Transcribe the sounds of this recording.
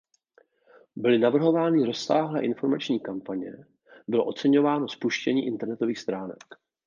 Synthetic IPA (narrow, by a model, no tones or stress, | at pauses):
bɪlɪnavr̩ɦo̞vaːnɪɾo̞sːaːɦlɛʔɪnfo̞ɾmat͡ʃɲiːkampaɲɛ | bɪlo̞ʔo̞t͡sɛɲo̞vaːno̞spuʃcɛɲiːʔɪnt̪ɛɾnɛt̪o̞viːxst̪ɾaːnɛ̰k